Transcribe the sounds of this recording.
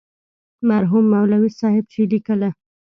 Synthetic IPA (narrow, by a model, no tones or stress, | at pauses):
maɾɦumːawlawisɑhɪb̚t͡ʃelikəla